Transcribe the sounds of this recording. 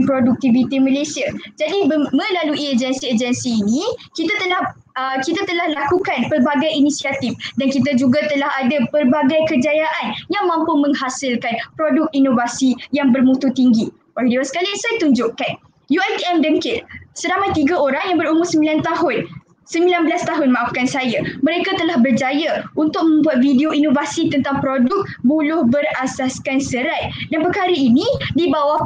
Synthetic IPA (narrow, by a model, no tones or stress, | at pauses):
pɾoduk̚t̪ivit̪imə̃lasiad͡ʒadibmə̃laluʔiəd͡ʒənsiəd͡ʒənsiːnĩkit̪at̪əlah | əkit̪at̪əlahlakukanpərbaɡajinisiat̪ifdankit̪̬ad͡ʒuɡat̪əlaɦadapərbaɡajkəd͡ʒajaʔanjaŋmãmpʊmə̃ŋhasɪlkanpɾodʊk̚inovasijaŋbərmũt̪ut̪iŋɡi | waɡdiwansə̥kalisajat̪uɲd͡ʒʊʔkan | juajt̪iɛmdəŋkɪt̪səɾamajt̪iɡaoɾaŋjaŋbəɾumʊrsəmbilant̪aɦʊn | səmbilanbəlast̪aɦʊnmãʔafkansajamə̃ɾekat̪əlahbərd͡ʒajaunt̪ʊk̚mə̃mbuat̪̚fideoinovasit̪ənt̪aŋpɾodʊk̚bulʊhbəɾasaskansəɾat̪̚danpəkaɾəinĩdibawah